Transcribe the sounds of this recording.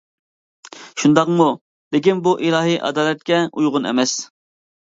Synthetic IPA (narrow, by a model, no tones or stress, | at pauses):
ʃund̪ɑqmu | d̪ekʲinbuʔilˠɑːɦiʔɑ̰d̪ɑːlɛt̪̚kʲɛujʁʊnḛmɛs